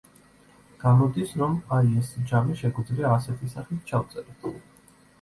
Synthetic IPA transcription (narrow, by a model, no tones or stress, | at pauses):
ɡ̥amɔd̪isɾɔmaiɛsd͡ʒamiʃɛɡid̪zliaːsɛt̪ʰisaχit̪̚ʰt͡ʃʰaft̪sʼɛɾɛt̪ʰ